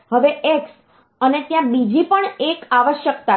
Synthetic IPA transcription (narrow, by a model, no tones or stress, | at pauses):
ɦəʋeʔeks | ənet̪jãbid͡ʒipəɳekaʋəʃjəkt̪a